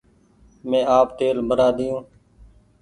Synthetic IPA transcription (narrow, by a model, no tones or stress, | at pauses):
mẽːaːpt̪eːlbʱəɾaːd̪ɪjõː